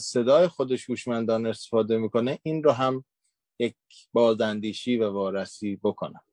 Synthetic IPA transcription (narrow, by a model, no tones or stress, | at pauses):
se̞d̪ɒːjexo̞d̪e̞ʃhuːʃmænd̪ɒːne̞st̪e̥fɒːd̪e̞miːko̞neʔiːnɾɒɦæm | jec | bɒːzænd̪iːʃiːvævɒːɾæsiːbo̞kʰonæm